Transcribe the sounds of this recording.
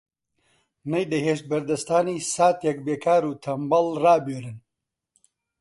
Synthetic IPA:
nɐjd̪ɐheːʃt̪̚bɐɾd̪ɐst̪aːniːsaːt̪jɐk̚beːkʰaːɾuːt̪ʰɐmbɐlraːbøːɾɨn

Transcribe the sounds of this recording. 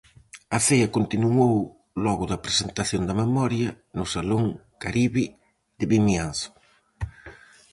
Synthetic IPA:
ɐfejɐkont̪inow | lɔɣʊðɐpɾesent̪aθjond̪ɐmemɔɾjɐ | nʊsaloŋkaɾiβɪ | ðɪβimiansʊ̥

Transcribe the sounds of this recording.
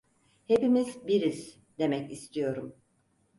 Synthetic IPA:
he̞pimizbiɾiz̥ | d̪e̞mɛcist̪ʰijo̞ɾum

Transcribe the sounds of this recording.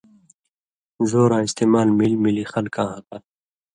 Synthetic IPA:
zoːɾãːɪst̪eːmaːlmilmilixʌlkãːɦʌta

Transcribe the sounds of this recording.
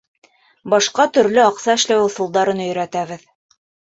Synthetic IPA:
bɑʃqɑt̪ɵ̆ɾlɵɑqsɑɘ̆ʃlæwɘwθŭlˠd̪ɑɾɤnɵ̆j̆ɾæt̪æβɘð

